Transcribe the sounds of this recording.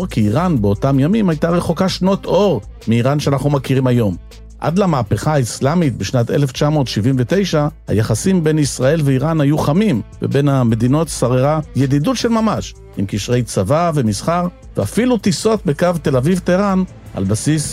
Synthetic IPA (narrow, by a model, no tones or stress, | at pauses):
ʁkiːʁanbeo̞tamjamimajtaʁe̞χo̞kaʃno̞tʰo̞ʁ | miːʁanʃeanaχnumakiʁimajo̞m | ʔa̰d̪lamaːpeχaːislamit̪̚beʃnat̪ele̞ft͡ʃamo̞ːt̪ʃivimvet̪e̞jʃaha̰jaχasimbe̞jnisʁae̞lveiʁanhajuχamimvḛbe̞name̞d̪ino̞t̪saʁeʁajed̪idutʃelmamaʃ | imkiʃʁe̞jt͡savave̞misχaʁ | veafilut̪isot̪̚be̞kavt̪e̞lavivt̪eʁan | a̰lbasis